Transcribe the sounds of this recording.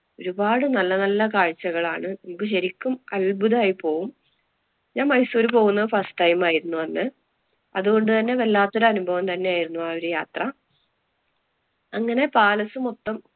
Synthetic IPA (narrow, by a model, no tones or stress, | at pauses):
o̞ɾubaːɽɨnɐlːɐnɐlːɐkaːɻt͡ɕːɐɣɐɭaːɳɨnɐmokːɨɕɐɾikʲːumɐlbuðaːjipo̞ːɣum | ɲaːnmɐjsuːɾupo̞ːɣunːɐðɨfɐsʈɐjmaːjiɾunːuɐnːɨ | ɐðuɣo̞ɳɖɨt̪ɐnːe̞ʋelːaːt̪ːoɾuɐnubʱɐʋɐmt̪ɐnːe̞jaːjiɾunːuʋaːo̞ɾujaːt̪rɐ | ɐŋːɐne̞paːlɐsumot̪ːɐm